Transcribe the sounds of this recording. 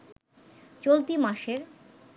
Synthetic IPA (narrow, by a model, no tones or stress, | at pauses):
t͡ɕolt̪imaʃeɾ